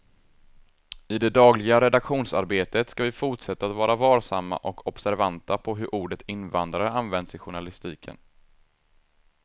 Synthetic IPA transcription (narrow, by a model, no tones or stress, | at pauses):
ɪd̪ɛd̪ɑːɡlɪɡaɾɛd̪akɧuːnsaɾbeːt̪ət̪skavɪfʊʈʂɛt̪ːaːt̪vɑːɾavɑːɾsamːa̰ʔɔkʰɔb̥sæɾvant̪apʰɔɦɵɾʔuːɖət̪ʰɪnvand̪ɾaɾəanvɛnd̪sɪɧʊɳalɪst̪iːkʰə̰n